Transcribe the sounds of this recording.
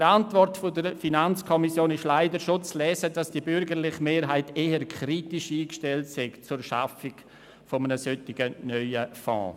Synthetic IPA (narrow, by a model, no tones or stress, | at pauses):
əɾantvɔrtfodəɾfinant͡skʰɔmisjoːnɪʃlaɪdəɾʃot͡slɛːsədasd̥ibʏɾɡəɾlɪχmeːɾɦaɪteːəɾkʰɾitiʃiːkʃtɛltsɛkt͡suɾʃa̰fɪɡ | fomənəsøtɪɡənœʏəfɔ̰̃ː